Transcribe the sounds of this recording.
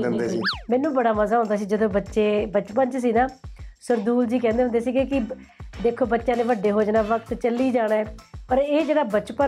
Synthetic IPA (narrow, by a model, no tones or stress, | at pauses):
mɛːnːũːbəɽaːməzaːɦõnd̪aːs̬iːd͡ʒəd̪õːbətːʃeːbət͡ʃpəɲt͡ʃsiːnaːsəɾd̪uːld͡ʒiːkɛ̃ːnd̪eːõnd̪eːsiːɡeːkɪ | d̪eːkʰoːbətːʃãːnẽːʋəɖeːɦoːd͡ʒnaːʋəkt̪t͡ʃəlːiːd͡ʒaːɽ̃aːɛːpəɾeːd͡ʒeːɽaːbət͡ʃpə